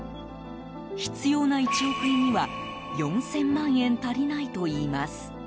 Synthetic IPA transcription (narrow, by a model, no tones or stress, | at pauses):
çi̥t͡sɨjo̞ːnait͡ɕiokɯ̟ɲ̟iβa | jõ̞ñsẽ̞mːãɰ̃ẽ̞nt̪aɾʲinait̪o̞iːmasɨ̥